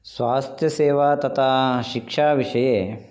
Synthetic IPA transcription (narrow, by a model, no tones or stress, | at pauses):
sʋaːst̪ʰjɐseːʋaːt̪ɐt̪ʰaʃikʂaːʋiʂɐjeː